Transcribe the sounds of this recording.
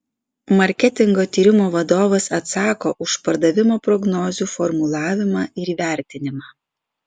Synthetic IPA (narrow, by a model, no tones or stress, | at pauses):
mɐɾʲkʲɛt̪ʲɪŋɡoːt̪ʲiːɾʲɪmoːʋɐd̪oːʋɐsɐt̪sɑːkoːʔʊʃpɐɾd̪ɐʋʲɪmoːpɾɔɡnɔːzʲuːfɔɾmʊlˠɑːʋʲɪmɑːɪɾiːʋʲæˑɾʲt̪ʲɪnʲɪmɑː